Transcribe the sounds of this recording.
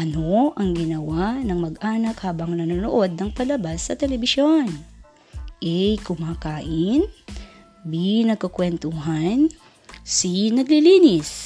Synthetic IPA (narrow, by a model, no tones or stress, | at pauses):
ʔɐnoʔɐŋɡɪnɐwanɐŋmɐɡʔaːnɐkhaːbɐŋnɐnonoʔo̞d̪̚nɐŋpɐlɐbasːɐt̪ɛlɛbɪsjo̞n | ʔɛjkʊmaːkaːʔɪn | binɐɡ̚kɐkwɛnt̪uɦan | sinɐɡlɪliːnɪs